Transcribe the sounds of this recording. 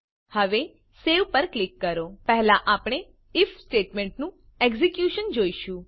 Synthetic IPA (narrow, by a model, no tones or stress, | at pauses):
həʋe | seʋpəɾklikːəɾopɛɦlaʔapɽ̃e | ɪfsʈeʈmẽɳʈnũ | ɛɡzikjuʃənd͡ʒoiʃũ